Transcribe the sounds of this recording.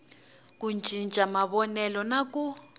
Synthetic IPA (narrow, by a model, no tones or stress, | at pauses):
k̬und͡ʒʱʼint͡ʃʼamaβɔnɛlɔnak̬ʼu